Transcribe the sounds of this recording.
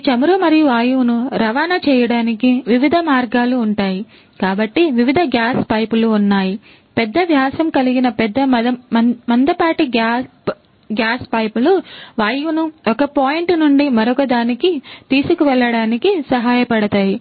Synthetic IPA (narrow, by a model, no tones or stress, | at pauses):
t͡ʃɐmɾumɐɾijuʋaːjunuɾɐʋaːnɐt͡ʃɛːjɐɽaːnikiʋiʋid̪ʱɐmaːɾɡaːluːɳʈaːji | kaːbɐʈːiʋiʋid̪ʱɐɡjaːspɐjpuluːnːaːji | pɛd̪ːɐʋjaːsɐmkɐliɡinɐpɛd̪ːɐɐɐmɐnd̪ɐpaːʈiɡa | ɡjaːspɐjpuluʋaːjunuɔkɐpoːjiɳʈnuɳɖimɐɾɔkɐd̪aːnikit̪iːsukuʋɛɭːɐɽaːnikisɐɦaːjɐpɐɽɐt̪aːji